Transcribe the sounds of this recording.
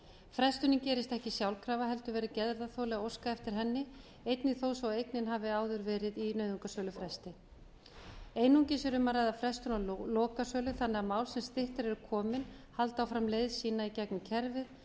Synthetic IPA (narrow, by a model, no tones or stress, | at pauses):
fɾɛst̪ʏnɪmcɛːɾɪst̪ɛhcɪsjawlkʰɾaːvaɦɛlt̪ʏvɛːɾɪcɛðɾðaθowlɛɣowskaɛft̪ɪɾ̥ɦɛnːɪ | ejt̪nɪθoːwsvawejknɪnɦaːvɪaːwðʏɾvɛːɾɪðinœɥðuŋkasœːlʏfɾɛst̪ɪ | ejnuŋcɪsɛɾʏmarajðafɾɛst̪ʏnalɔːkasœːlʏθanːɛɣamaːwlsɛmst̪ɪht̪ɪɾɛɾʏkʰɔːmɪn | halt̪awfɾamlejðsiːnaicɛknʏcʰɛɾvɪð